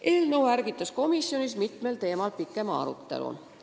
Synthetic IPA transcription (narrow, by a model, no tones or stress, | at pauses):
ʔe̞ːlnəwæɾɡ̥it̪ːˑɑsko̞misːjo̞nismit̪ˑme̞lt̪e̞ːmɑlpikːˑe̞mɑɑ̰ɾṵt̪ːˑe̞̰lṵ